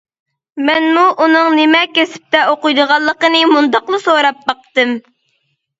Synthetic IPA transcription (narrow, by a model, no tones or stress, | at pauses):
mɛnmuʔunɨŋnɪmɛkʲesɪ̥p̚t̪ɛoqʊjd̪əʁɑlˠːəqənɨmund̪ɑqlˠɨsoɾɑp̚bɑq̚t̪ɨm